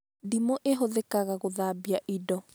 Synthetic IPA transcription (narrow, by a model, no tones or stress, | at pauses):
dimoʔeɦoðɛkaɣaɣoðaːbiaʔidɔ